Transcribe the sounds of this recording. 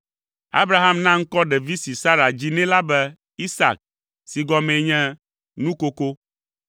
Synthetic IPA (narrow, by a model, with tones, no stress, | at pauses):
a̰˦bɾa˦ɦa˦mnã˦ŋ̩˦kɔ˦ɖɛ˨vi˦si˨sa˦ɾa˨d͡ʑi˦nɛ̃˦la˦bɛ˦ | i˦sa̰˨k̚ | si˨ɡɔ˦mẽ˨ɲɛ̃˦ | nũ˦ko˦ko˦